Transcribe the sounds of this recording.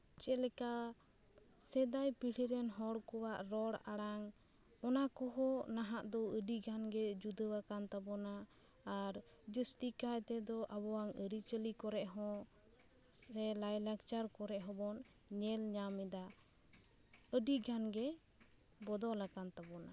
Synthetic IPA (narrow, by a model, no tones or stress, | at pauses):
t͡ʃɛlɛka | sɛd̪ajpiɽiɾɛnɦɔɽkɔwaʔɾɔɽaɽaŋ | ɔnakɔɦɔnaɦaʔd̪ɔəɖiɡʱanɡɛd͡ʒud̪əwakant̪abɔnaː | ɾ | d͡ʒəst̪ikajt̪ɛd̪ɔʔabɔwaŋəɾit͡ʃəlikɔɾɛʔɦɔ̃ | sɛlajlakt͡ʃaɾkɔɾɛʔɦɔbɔn | ɲɛlɲamɛd̪a | əɖiɡʱanɡɛ | bɔd̪ɔlakant̪abɔna